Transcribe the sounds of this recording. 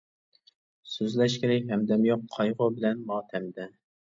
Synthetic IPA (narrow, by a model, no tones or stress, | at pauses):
søzlɛʃkʲɪɾɪkʲɦɛmd̪ɛmjoqʰːɑjʁʊbɪlɛnmɑːt̪ʰɛmd̪ɛ